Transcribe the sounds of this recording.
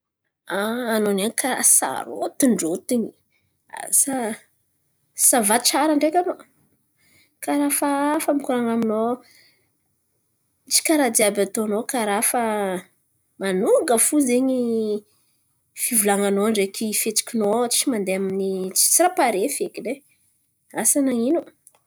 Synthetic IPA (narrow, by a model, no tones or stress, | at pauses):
aːnonankʰaa̰sa̰ɾo̰t̪uɳɖ͡ʐot̪iɲi | a̰sa | savat͡ʃaɾaɳɖ͡ʐekʲano | kaɾafaafəmikuɾaŋamino | t͡ʃi̥kaɾad̪iabat̪onokaɾafə | manuŋɡəfuzeɲi | fivulaŋanoaɳɖ͡ʐekʰifet͡si̥kʲinot͡ʃimand̪eaminit͡si̥t͡siɾapaɾefekile | asanaŋino